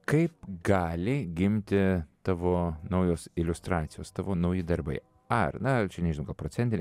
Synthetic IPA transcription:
kɐɪpɡɑːlʲɪɡʲɪmʲt̪ʲɪt̪ɑːʋoːnɐʊjoːsɪlʲʊst̪ɾɑːt̪sʲɪjoːst̪ɑːʋoːnɐʊjɪd̪ɐɾbɐ̰ɪ | ɐrnɐt͡ʃʲɛnʲɛʒʲnʊɡɐlˠpɾoːt̪sʲɛnʲt̪ʲɪnʲ

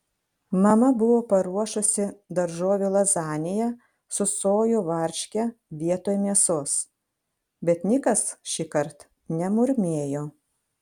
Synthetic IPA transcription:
mɐmɐbʊʋoːpɐɾuɔʃʊsʲɪd̪ɐɾʒoːʋʲulˠɐzɑːnʲɪjɛ | sʊsoːjʊʋɐɾʲʃʲkʲɛʋʲiɛt̪oːjmʲiɛsoːs | bʲɛt̪nʲɪkɐsʃʲikɐɾt̪ | nʲɛmʊɾʲmʲeːjoː

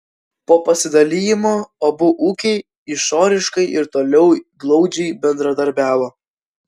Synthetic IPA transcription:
poːpɐsʲɪd̪ɐlʲijɪmoːobʊʔuːkʲɛɪ | ɪʃoːɾʲɪʃkɐɪʔɪɾt̪oːlʲɛʊɡlˠɒʊd͡ʒʲɛɪbʲɛnd̪ɾɐd̪ɐɾʲbʲæːʋoː

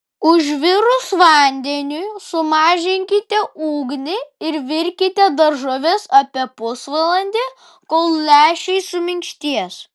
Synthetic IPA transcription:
ʊʒʋʲɪɾʊsʋɐˑnʲd̪ʲɛnʲʊsʊmɑːʒʲɪŋʲkʲɪt̪ʲɛʔuːɡnʲɪɪɾʋʲɪɾʲkʲɪt̪ʲɛd̪ɐɾʒoʋʲɛsɐpʲiɛpʊsʋɐlˠɐnʲd̪ʲe | koːlˠlʲæːʃʲɛɪsʊmʲɪŋʲkʃʲt̪ʲiɛs

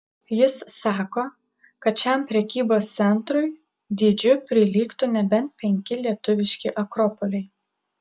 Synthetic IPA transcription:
jɪssɑːkoː | kɐt̪̚t͡ʃʲɛmpʲɾʲɛkʲiːboːst̪sʲɛnt̪ɾʊɪ | d̪ʲid͡ʒʲʊpʲɾʲɪlʲiːkt̪ʊnʲɛbʲɛnt̪̚pʲɛŋʲkʲɪlʲiɛt̪ʊʋʲɪʃʲkʲiːʔɐkɾopolʲɛɪ

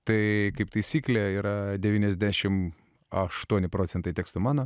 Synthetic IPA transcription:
t̪ɐɪkɐɪpt̪ɐɪsʲiːklʲeiːɾɐd̪ʲɛʋʲiːnʲɛzʲd̪ʲæʃʲɪm | ɐʃt̪uɔnʲɪpɾoːt̪sʲɛnt̪ɐɪt̪ʲeːkst̪ʊmɑːnoː

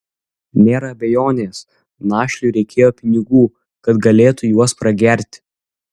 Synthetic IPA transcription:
nʲeːɾɐːbʲɛjoːnʲeːs | nɑːʃʲlʲuːɾʲɛɪkʲeːjoːpʲɪnʲɪɡuː | kɐt̪ɡɐlʲeːt̪ʊjuɔspɾɐɡʲɛˑɾʲt̪ʲ

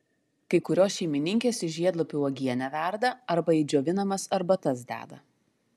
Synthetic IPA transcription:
kɐɪkʊɾʲoːsʃʲɛɪmʲɪnʲɪŋʲkʲeːsɪʃʲʒʲiɛd̪lˠopʲʊɔːɡʲiɛnʲɛʋʲæˑɾd̪ɐɐɾbɐiːd͡ʒʲoːʋʲɪnɐmɐsɐɾbɐt̪ɐsd̪ʲæ̰ːd̪ɐ

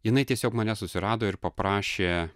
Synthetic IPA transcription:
jɪnɐɪt̪ʲiɛsʲoːkmɐnʲɛsʊsʲɪɾɑːd̪oːɪɾpɐpɾɑːʃʲeː

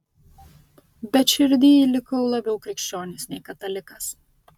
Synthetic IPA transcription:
bʲɛt̪ʃʲɪɾʲd̪ʲiːlʲɪkɐʊlˠɐbʲɛʊkɾʲɪkʃʲt͡ʃʲoːnʲɪsnʲɛɪkɐt̪ɐlʲɪkɐs

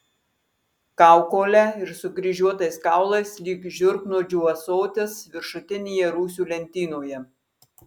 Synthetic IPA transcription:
kɑˑʊkoːlʲɛɪɾsʊɡɾʲɪʒʲuɔt̪ɐɪskɑˑʊlˠɐɪslʲiːkʒʲʊɾknoːd͡ʒʲʊʋɐsoːt̪ʲesʋʲɪɾʃʊt̪ʲɪnʲeːjɛɾuːs̬ʲuːlʲɛnʲt̪ʲiːnoːjɛ

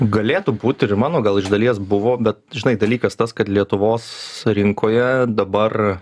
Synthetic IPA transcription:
ɡɐlʲeːt̪ubuːt̪ʲɪɾmɑːnoːɡɐlˠɪʒd̪ɐlʲiɛsbʊʋoːbʲɛt̪ʒʲɪnɐɪd̪ɐlʲiːkɐst̪ɐskɐt̪lʲiɛt̪ʊʋoːsɾʲɪŋkʰoːjɛd̪ɐbɐr

